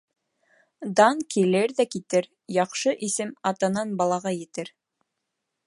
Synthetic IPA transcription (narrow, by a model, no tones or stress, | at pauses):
d̪ɑŋkilɘɾðækit̪ɘɾ | jɑqʃɤʔisɘmɑt̪ɑnɑnbɑlˠɑʁɑjɘ̆t̪ɘɾ